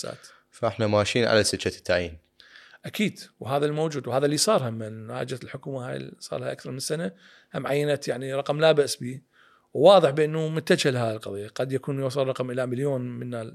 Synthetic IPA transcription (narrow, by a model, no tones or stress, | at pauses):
sa̰ːt̪ | faʔɪħnamaːʃiːnʕa̰lasɪʃat̪ːaʕjḭːn | ʔakiːd̪wɦaːðalmowd͡ʒuːd̪whaːðalːisˤɑːɾˤhamːaʕa̰ːd͡ʒalħʊkuːmaha̰j̰sˤɑ̰ɾˤlaʔakθɑɾˤmɪnsːana | hamʕajːanat̪jaʕniɾˤɑqmlabaʔsbiː | wːɑːðˤəħbɪʔɪnːumʊt̪ːad͡ʒhalahaːlqɑ̰ðˤijːaqad̪jakuːnjɑsˤɑlˤːɑqmʔɪlamaljoːnmɪnːa